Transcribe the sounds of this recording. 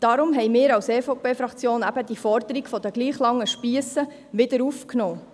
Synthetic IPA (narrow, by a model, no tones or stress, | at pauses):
d̥ɑɾʊmɦɛɪmɪːɾɑwseːfopʰeːfɾɑkt͡sjoːnæb̥əd̪ifɔɾd̪əɾiɡfɔd̪əɡliːχlɑŋːəʃpiəsə | ʋɪd̪əɾufknoː